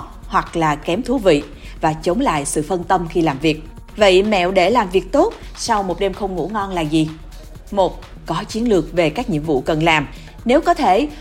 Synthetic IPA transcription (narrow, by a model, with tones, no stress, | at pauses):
hwa˨˩k̚laː˨˩kɛ˨˦mt̪ʰu˨˦vḭ˧˨ | vaː˨˩t͡ɕə˨˦wŋ͡mla̰ː˧˨jsɨ̰˧˨fə˧nt̪ə˧mxi˧laː˨˩mvi˨˩ək̚ | və̰˧˨jmɛ̰˧˨wɗe˧˩laː˨˩mvi˨˩ək̚t̪o˦˥t̚ | sa˧wmo˨˩t̚ɗe˧mxə˧wŋ͡mŋṵ˧˥ŋɔ˧nlaː˨˩zi˨˩ | mo˨˩t̚ | kɔ˨˦t͡ɕi˨˦ənlɨ˨˩ək̚ve˨˩kaː˦˥k̚ɲḭ˧˨əmvṵ˧˨kə˨˩nlaː˨˩m | ne˨˦wkɔ˨˦t̪ʰe˧˩